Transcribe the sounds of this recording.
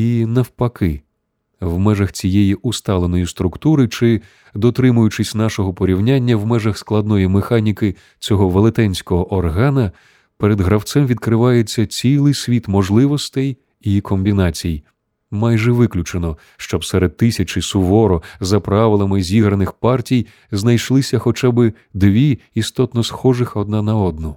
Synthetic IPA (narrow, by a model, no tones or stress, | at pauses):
inɐwpɐkɪ | wmɛʒɐxt͡sʲijɛjiust̪ɑlˠenɔjist̪ɾʊkt̪uɾɪt͡ʃɪ | d̪ɔt̪ɾɪmʊjʊt͡ʃɪsʲnɑʃɔɦɔpɔɾʲiwnʲanʲːɐwmɛʒɐxsklˠɐd̪nɔjimexɑnʲikɪ | t͡sʲɔɦɔʋelˠet̪ɛnʲsʲkɔɦɔʔɔrɦɑnɐ | peɾed̪ɦɾɐwt̪sɛmʋʲid̪kɾɪʋɑjet͡sʲːɐt͡sʲilˠɪjsʲʋʲit̪mɔʒlˠɪʋɔst̪ɛj | ikʰɔmʲbʲinɑt͡sʲijj | mɑjʒɛʋɪklʲʊt͡ʃenɔ | ʃt͡ʃɔbsɛɾed̪̚t̪ːɪsʲɐt͡ʃɪsʊʋɔɾɔzɐpɾɑʋɪlˠɐmɪzʲiɦɾɐnɪxpɑrtʲij | znɐjʃlˠɪsʲɐxɔt͡ʃabɪ | d̪ʋʲiist̪ɔt̪nɔsxɔʒɪxɔd̪̚nɑnɐɔd̪nɔ